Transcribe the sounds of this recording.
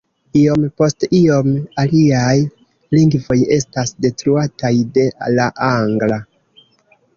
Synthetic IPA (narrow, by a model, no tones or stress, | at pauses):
io̞mpo̞stio̞maliaj | liŋɡvo̞je̞stasde̞tɾuatajde̞laʔaŋɡla